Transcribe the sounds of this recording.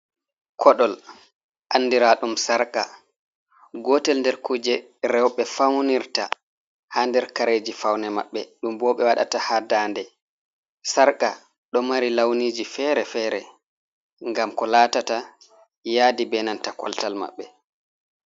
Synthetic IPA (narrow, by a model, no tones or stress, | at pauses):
kʰɔɗɔl | ʔanːdiɾaɗumsaɾka̰ | ɡɔtɛlndɛɾkud͡ʒɛ | ɾɛwɓɛfawniɾta | haːndɛɾkaɾeːd͡ʒifawnɛma̰ɓːɛɗumbɔːɓɛwaɗa̰tahadaːndɛ | saɾka | ɗɔmaɾilawniːd͡ʒifɛɾɛfɛːɾɛ̰ | ŋɡamkɔlaːtata | jaːdibɛnantakɔ̰ltalma̰ɓːɛ